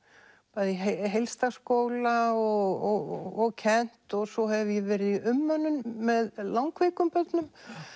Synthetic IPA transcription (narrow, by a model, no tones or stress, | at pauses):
paːðiɦeɦejlst̪askowlaɔɣɔɣːɣcʰɛn̥t̪ɔɣsɔhɛvjɛvɛːɾɪðiʏmːœnːʏnːɛðlawŋkveːjkʏmpœt̪nʏm